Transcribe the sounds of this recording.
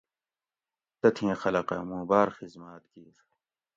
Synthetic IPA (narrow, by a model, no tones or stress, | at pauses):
t̪ɐt̪ʰĩːxɐlɐqɐ̰mũːbaːɾxizmaːt̪ɡiːɾ